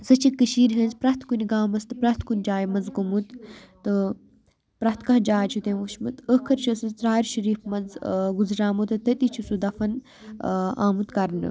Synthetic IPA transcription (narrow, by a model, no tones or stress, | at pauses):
zɐt͡ʃʰikəʃiːɾɦɐnzpɾɐht̪ʰkunʲiɡaːmɐst̪ɨpɾɐht̪kunʲd͡ʒaːjmɐnzɡumut̪t̪ːɨ | pɾɐht̪kɐɦd͡ʒaːt͡ʃʰut̪ẽːʋuʃmɨt̪əkʰɐɾt͡ʃʰɐsɨt̪ɾaːɾʃɐɾiːfmɐnzɡuzɾaːmut̪ɐt̪ɐt̪it͡ʃʰusud̪ɐfɐn | a̰ːmut̪kɐɾnɨ̰